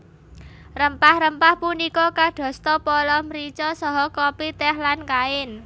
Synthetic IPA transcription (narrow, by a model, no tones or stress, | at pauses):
rəmpahɾəmpahpunikɔkaɖ̪̥ɔ̤st̪ɔpɔlɔmɾit͡ʃɔsɔɦɔkɔpit̪ɛɦlankaɪn